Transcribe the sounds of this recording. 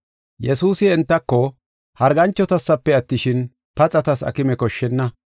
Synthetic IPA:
jɛsuːsɪɛnt̪ːɐkːɔ | hɐɾɡɐnt͡ʃːɔt̪ɐsːɐpːɛɐt̪ːɪʃɪn | pɐt͡sʼɐt̪ɐsɐ̰kɪmɛkɔʃːɛnːɐ

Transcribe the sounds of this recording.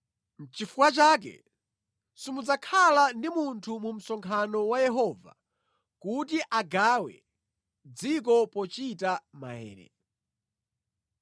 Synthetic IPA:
n̩t͡ʃifukwat͡ʃaːk̬ɛ̰ | simud͡zakʰalandimuntʰumum̩sɔŋkʰanɔwajɛɦɔva̰ | kut̬iʔaɡawɛ̰ | d͡zik̬ɔpɔt͡ʃitama̰hɛ̰ːɾɛ̰

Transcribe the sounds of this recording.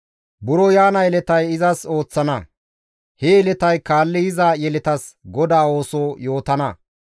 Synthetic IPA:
bʊɾɔjaːnɐjɛlɛt̪ɐjɪzɐso̞ːt͡sːɐnɐ | hɛɛlɛt̪ɐjkaːlːɪjɪzaːjɛlɛt̪ɐsɡɔd̪aːo̞ːsoːjo̞ːt̪ɐnɐ

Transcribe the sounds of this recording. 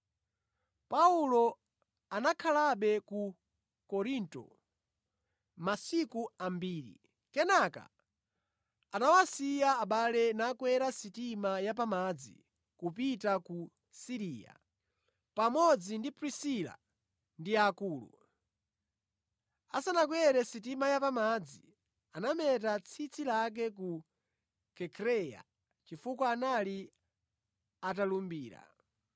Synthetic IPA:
paulɔ | anakʰalaɓɛku | kɔɾintɔ̰ | masikuambiːɾḭ | kɛnaka̰ | anawasijaːɓalɛnakwɛɾasitimajap̬amad͡zḭ | kupitaku | siɾiːja̰ | pamɔd͡zindipɾisila̰ | ndiakuːlṵ | asanak̬wɛɾɛsit̬imajapamad͡zi | anamɛt̬at͡sʰit͡sʰilak̬ɛk̬u | kɛkʰɾɛja̰ | t͡ʃifukwaːnali | at̬alumbiːɾa̰

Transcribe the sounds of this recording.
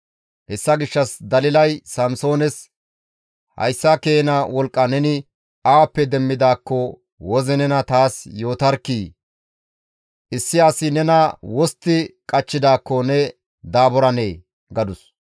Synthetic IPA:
hɛsːɐɡɪʃːɐsd̪ɐlɪlɐjsɐmso̞ːnɛs | hɐ̰jsːɐkeːnɐwɔlkʼːɐnɛnɪ | awɐpːɛd̪ɛmːɪd̪aːkːɔ | wɔzɛnɛnɐt̪aːsjo̞ːt̪ɐɾkːiː | ʔɪsːɪasɪnɛnɐwɔst̪ːɪkʼɐt͡ʃːɪd̪aːkːɔnɛ | d̪aːbɔɾɐneː | ɡɐd̪ʊs

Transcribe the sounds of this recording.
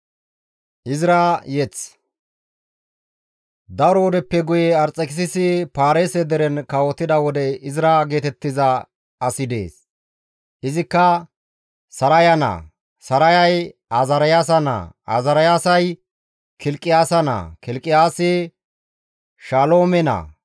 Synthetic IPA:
ʔɪzɪɾajɛt͡s | d̪ɐɾɔɔd̪ɛpːɛɡʊjɛɐɾt͡sʼːɛkɪsɪsɪpaːɾeːsɛd̪ɛɾɛnkɐwɔt̪ːɪd̪ɐwɔd̪ɛɪzɪɾaɡe̞ːt̪ɛt̪ːɪzɐ | ɐsɪd̪e̞̰ːs | ɪzɪkːɐ | sɐɾɐjɐnɐ̰ | sɐɾɐjɐjazɐɾɐjaːs̬ɐna̰ːa̰zɐɾɐjaːsɐj | kɪlkʼːɪjaːsɐna̰ːkɪlkʼːɪjaːsɪ | ʃaːlo̞ːmɛnɐ̰

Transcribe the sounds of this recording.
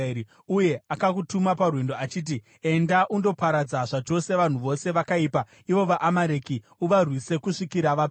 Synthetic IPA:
uje̞akakutumaparwendoat͡ʃiːt̬i | e̞ndaʔundo̞paɾad͡zaʐat͡ʃo̞se̞ʋan̤uʋo̞se̞ʋakaiːpa | iʋo̞ʋaʔamaɾeki | uʋarwise̞kuʂikiɾaʋap

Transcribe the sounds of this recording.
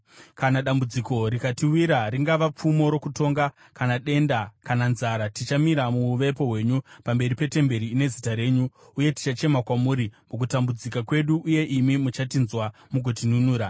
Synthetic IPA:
kanaɗambud͡ziko̞ɾikatiwiɾaɾiŋɡaʋap͡fumo̞ɾo̞kuto̞ŋɡa | kanaɗe̞ndakananzaɾatit͡ʃamiɾamuːʋe̞po̞ɦwe̞ːɲupambe̞ripe̞te̞mbe̞ɾiːne̞zitaɾe̞ːɲuː | je̞ti̥t͡ʃat͡ʃe̞makwamuːɾimuk̬utambud͡zikakwe̞ɗuʔːje̞ʔimimut͡ʃatinzwamuɡʱotinunuːɾa

